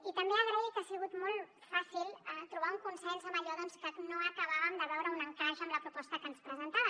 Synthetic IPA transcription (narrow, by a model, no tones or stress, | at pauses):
it̪ɐmbeəɣɾaikasiɣut̪mɔlˠ | fasilˠɛt̪ɾuβ̞auŋkunsɛʎsamɐʎoðɔnskənoəkəβaβəmd̪əβɛwɾəunəŋkaʃəmləpɾupɔst̪əkənspɾəzənt̪aβə